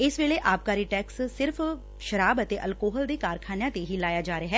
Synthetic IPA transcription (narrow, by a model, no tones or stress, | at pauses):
ɪsʋeːleːʔaːp̚kaːɾiʈɛːkssɪɾfʰ | ʃəɾaːbət̪eːʔəlkoːɦəld̪eːkaːɾkʰaːnjãːt̪eɦiːlaːjaːd͡ʒaːɾeaɦɛː